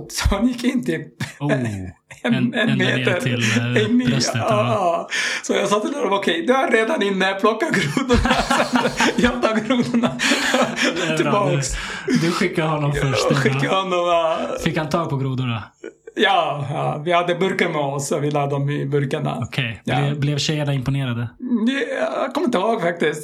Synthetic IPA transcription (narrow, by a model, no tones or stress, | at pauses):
sɔhanjɪkːɪnːt̪iːp̚ | ɛɛnmeːt̪əɾɛmi | sɔjɑːɡsaːt̪ːɪlhɛɾɔmɔkʰɛjd̪ɛvaɾeːd̪anɪnːəpʰlɔkːaɡɾuːd̪ʊɳasɛjɑt̪ɑːɡɡɾuːd̪ʊɳa | ɪbɑːks | d̪ʉɧɪkːadɦɔnːɔmfœɧɪkːahɔnːɔmɑfɪkhant̪ʰɑːɡ̚pʰɔɡɾuːd̪ʊɳajɑːjɑːvɪhad̪ːəbɵɾkəɾmɛɔsɔvɪlaːd̪ɔmɪbɵɾkaɳa̰ɔkʰɛjjlɛblɛvɕɛjːaɳaɪmpɔneːɾad̪əɛakʰɔmːɪnt̪əbɑːɡfak̚t̪ɪst̪